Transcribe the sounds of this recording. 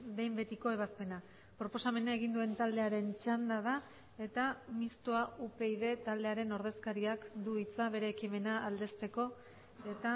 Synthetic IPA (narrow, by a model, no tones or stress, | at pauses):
be̞jmbe̞t̪iko̞e̞β̞aspe̞na | pɾo̞po̞same̞naeɣ̞ind̪ue̞nt̪ald̪e̞aɾe̞nt͡ʃand̪að̞a | e̞t̪amist̪oaupe̞iðe̞t̪ald̪e̞aɾe̞no̞ɾð̞e̞skaɾiakd̪uit͡saβ̞e̞ɾe̞ːkime̞naʔald̪e̞st̪e̞ko̞ | e̞t̪a